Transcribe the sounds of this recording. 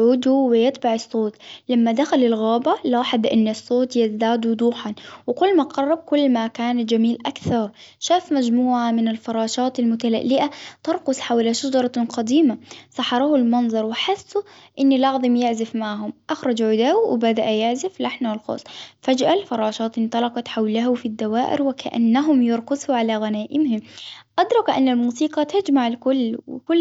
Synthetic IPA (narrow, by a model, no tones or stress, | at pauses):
ʕuːd̪uwɪjɪt̪ˤbɑʕɨsˤːoːt̪lamːad̪axalɪlɣaːbalaːħɪd̪ˤʔɪnːɪsˤːoːt̪jɪzd̪aːd̪ud̪uːħanwɪkʊlːmaqɑrˤːɑb̚kʊlːmakaːnd͡ʒamiːlʔakθɑɾˤ | ʃaːfmad͡ʒmuːʕamɪnɪlfɑɾˤɑːʃɑːt̪almʊt̪ala̰ʔːɪʔat̪ɑɾˤqʊsħawlaʃad͡ʒɑɾˤɑqɑd̪iːmasˤɑħɑɾˤɑːhʊlmɑnzˤɑɾˤwɪħɪsːu | ʔɪnːlɑʕðˤɑmjɪʕzɪfmaʕɦʊmʔaxɾˤɑd͡ʒʕʊd̪aːwɪbad̪aʔjɪʕzɪflaħnawɪlxo̰ːsˤfad͡ʒʔalfɑɾˤɑːʃɑːt̪ʔɪnt̪ˤɑlɑqɑt̪ħawlaɦʊfid̪ːawaːʔɪ̰ɾwɪkʰa̰ʔa̰nːaɦʊmjɪɾˤkʊzhuʕalaɣanaːʔɪmhɪmʔɑd̪ɾˤɑkʔanːalmuːsiːqɑt̪ad͡ʒmaʕlkʊlːwɪ̰kʊlː